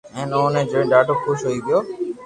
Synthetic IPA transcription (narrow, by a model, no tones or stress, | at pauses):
ɛ̃ːnəõnẽːd͡ʒõɖaːʈəkʰʊʃɦoiːɡɪjoː